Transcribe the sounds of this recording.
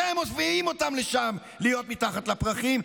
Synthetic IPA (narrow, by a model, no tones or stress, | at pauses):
emoviimo̞t̪amleʃam | lijo̞t̪mit̪aχat̪lapʁaχim